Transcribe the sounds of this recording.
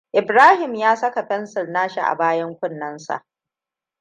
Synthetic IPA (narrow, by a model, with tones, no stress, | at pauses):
ʔɪ˨bɾaː˦hɪ˨mjaː˦sɐ˦ka˨ɸɛ˦nsɐ˨rnaː˦ʃḭ˨ʔa̰˨baː˦jɐ˦ŋkʷʊ˦nːɐ˦nsa̰˨ʔ